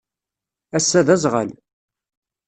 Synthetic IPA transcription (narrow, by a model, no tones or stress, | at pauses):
æsːæðæzˤʁə̰l